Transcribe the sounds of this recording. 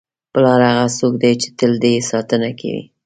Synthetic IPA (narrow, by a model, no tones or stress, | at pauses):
pəlɑɾaɣasok̚d̪ajt͡ʃe̥t̪əld̪ejesɑt̪ənakʰa̰wḭ